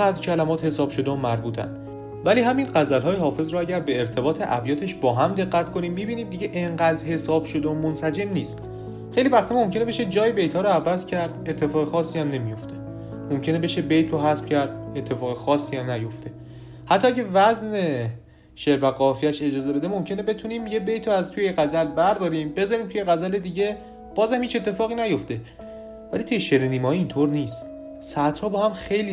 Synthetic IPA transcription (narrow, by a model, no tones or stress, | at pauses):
æːd̪ɾcʰælæmɒːt̪he̞sɒːb̥ʃo̞d̪eomæɾbuːt̪ʰæ̰nd̪̥ | væliːɦæminɢæzælɦɒːjehɒːfe̞zɾɔæɟæɾbe̞ːɾt̪ʰe̞bɒːt̪ʰe̞ʔæbjɒːt̪ʰe̞ʃbɒːɦæmd̪e̞ɣːæt̪kʰoniːmːibiːniːmd̪iɟeʔeŋɢæːd̪ɾhe̞sɒːb̥ʃo̞d̪eomonsæd͡ʒe̞mniːst̪ | xejliːvæxt̪ʰimo̞mcʰʲe̞neeʃed͡ʒɒːjebe̞jt̪ʰhɒːɾɔævæzcʰæɾd̪e̞t̪ʰːe̞fɒːɣexɒːsːiːæmne̞mijo̞ft̪ʰe̞ | momcʰe̞nebe̞ʃebe̞jt̪ʰɾoɦæsb̥cæɾd̪̚e̞t̪ʰːe̞fɒːɣexɒːsːiːæmnæjo̞ft̪ʰe̞ | hæt̪ʰːɒːæɟʲævæzne̞ | ʃeɾvæɣɒːfijæʃe̞d͡ʒɒːze̞be̞d̪emo̞mcʰe̞ne̞be̞t̪ʰuniːmje̞bejt̪ʰoæzt̪ʰujeɣæzælbæɾd̪ɒːɾiːmbe̞zɒːɾiːmt̪ʰuje̞ɣæzæle̞d̪iːɟe̞ | b̥ɒːzhæmhiːt͡ʃe̞t̪ʰːe̞fɒːɣiːnæjo̞ft̪e̞ | væliːt̪ʰujeʃeɾeniːmɒːiint̪ʰoɾniːst̪ | sæt̪ʰhɒːbɒːɦæmxe̞jli